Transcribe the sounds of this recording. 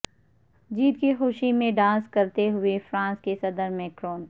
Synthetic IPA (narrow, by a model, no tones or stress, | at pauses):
d͡ʒiːt̪kixʊʃimẽɖãːskɐɾt̪eɦʊefɾãːskesɐd̪əɾmɛ̃kɾoːn